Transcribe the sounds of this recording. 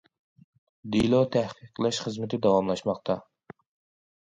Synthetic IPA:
d̪ilˠot̪ʰæhqʰəqʰəlˠɛʃχəzmɪt̪ʰɪd̪ɑwɑmlˠɑʃmɑqt̪ʰɑ

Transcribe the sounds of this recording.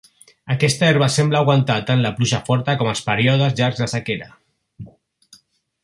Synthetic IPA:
akɛst̪aeɾβasemblaːɣwant̪at̪anlapluʒafɔɾt̪akɔmaspaɾjɔðəzʎaɾzðasakeɾa

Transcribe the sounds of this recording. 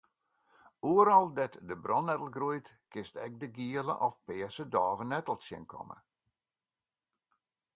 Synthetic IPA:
uəɾɔlˠdɛtdəbrɔnːɛtəl̩ˠɡrujt | kɪstɛk̚dəɡiələ̰ʔɔfpɪəsədɔːvənɛtəlˠsjɪ̰nkʰɔ̰mə̰

